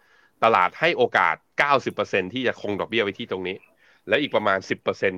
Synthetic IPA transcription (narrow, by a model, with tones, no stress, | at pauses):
t̪a˧la̰ː˨˩t̪̚ha˥˩jʔoː˧ka̰ː˨˩t̪̚kaː˥˩wsi˨˩pːɤː˧se˧nt̪ʰiː˥˩t͡ɕa˨˩kʰo˧ŋdɔ˨˩k̚bi˥˩ɐwa˦jt̪ʰiː˥˩t̪o˧ŋniː˦˥ | lɛ˦˥wʔiː˨˩kpɾa˧maː˧nsi˨˩pːɤː˧se˧n